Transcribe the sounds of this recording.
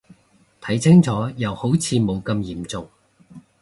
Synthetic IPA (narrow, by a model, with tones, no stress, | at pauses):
t̪ʰɐ˨˥jt͡sʰɪ˥ŋt͡sɔː˨˥jɐ˨˩who˨˥wt͡sʰiː˨˧mo˨˧wkɐ˧mjiː˨˩mt͡sʊ˨ŋ